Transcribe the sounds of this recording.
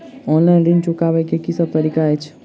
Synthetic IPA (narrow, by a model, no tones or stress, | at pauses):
ɔnlajnɾĩnt͡ʃukaʋajkekisəb̚t̪əɾikaɛt͡ʃʰ